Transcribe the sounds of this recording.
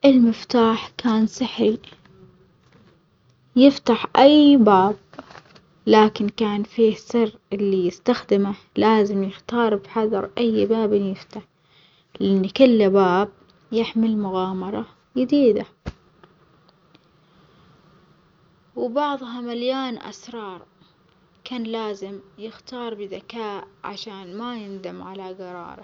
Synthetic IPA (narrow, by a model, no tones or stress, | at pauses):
ʔɪlmɪft̪aːħkaːnsˤɪħi | jɪft̪aħʔajbaːb̚ | laːkɪnkaːnfiːsɨrʔɪlːijɪst̪axd̪ɪma | laːzɪmjɪxt̪ɑːɾˤbħɑðˤɑɾˤʔajːbaːbɪnjɪft̪aħ | lɪʔɪnːkʊlːabaːb̚ | jɪħmɪlmʊɣaːmɑɾˤɑ | jɪd̪iːd̪a | wbɑʕðˤɦɑmaljaːnʔa̰sɾˤɑːɾˤ | kaːnlaːzɪmjɪxt̪ɑːɾˤbɪðakaːʔʕa̰ʃaːnmajɪnd̪amʕalaɡɑɾˤɑ̰ːɾˤɑ̰